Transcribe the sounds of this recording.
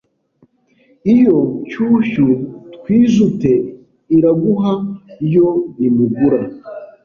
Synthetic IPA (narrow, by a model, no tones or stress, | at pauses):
ijo̞cuːçutkwiːʒute̞ | iɾaɡuɦaijo̞imuɡuɾa